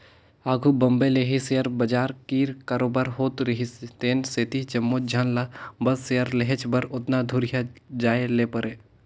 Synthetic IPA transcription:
aːɡʱubɐmbeleːɦisejəɾbɐd͡ʒaːɾkiːɾkaɾoːbaːɾɦoːt̪ɾɪɦist̪eːnset̪id͡ʒɐmːod͡ʒʱaːnlabɐsːejəɾleɦet͡ʃbɐɾʊt̪nad̪ʱʊɾjad͡ʒaːeleːpəɾeː

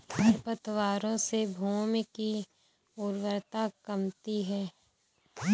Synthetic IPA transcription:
əɾpət̪ʰwaːɾõsebʱuːmki | ʊɾwəɾt̪akɐmt̪iɦɛː

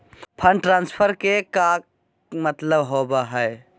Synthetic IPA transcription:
pʰəɳɖʈɾãnspʰəɾkeka | mət̪ləbɦobəɦəe

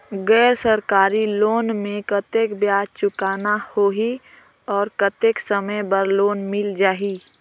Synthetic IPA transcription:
ɡɛːɾsəɾkaːɾiloːnmẽkət̪eːkbjaːt͡ʃʊkaːnahoːɦi | ɔːɾkət̪eːksəməjbəɾloːnmɪld͡ʒaːɦi

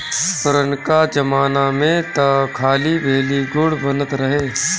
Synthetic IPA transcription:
pəɾənkad͡ʒəmaːnamẽt̪ɐkʰaːlibʱeːliɡʊɽbənət̪ɾɐɦeː

